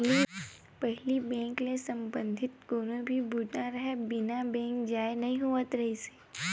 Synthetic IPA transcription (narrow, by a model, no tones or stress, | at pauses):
i | pɛɦlibɛ̃ːŋklesɐ̃mbə̃nd̪ʱɪt̪̚koːnõbʱibʊʈaɾɐɦɛbɪnabɛ̃ːŋkd͡ʒaːenɐɦĩɦuət̪ɾɐɦise̥